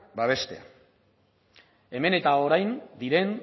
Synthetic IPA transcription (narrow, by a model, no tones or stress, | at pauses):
baβ̞e̞st̪e̞̰a̰ | e̞me̞ne̞t̪ao̞ɾajnd̪iɾe̞n